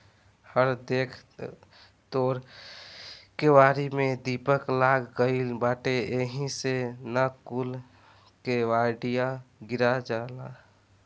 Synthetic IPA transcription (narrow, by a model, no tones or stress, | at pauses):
həɾd̪eːkʰ | t̪oːɾ | keʋaːɾimẽd̪ipəklaːɡɡəɪlbaːʈeeɦĩsenakul | keʋaɖijaɡɪɾad͡ʒaːla